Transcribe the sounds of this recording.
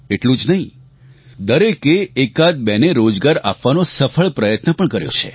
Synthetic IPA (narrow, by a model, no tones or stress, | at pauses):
eʈlũd͡ʒnəɦĩ | d̪əɾekeːkad̪̚bɛneɾod͡ʒɡaɾapʋanosəfʰəɭpɾəjət̪nəpəɳkəɾjo̰t͡ʃʰḛ